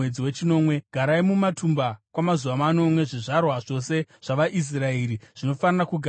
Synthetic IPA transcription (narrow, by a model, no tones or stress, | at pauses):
ed͡ziwe̞t͡ʃino̞ːmwe̞ɡ̥ʱaɾaimumatʰumbakwamazuʋamano̞mwe̞ʐiʐarwaʐo̞se̞ʐ̥aʋaʔis̬raeːɾiʐ̥ino̞fanarakuɡʱa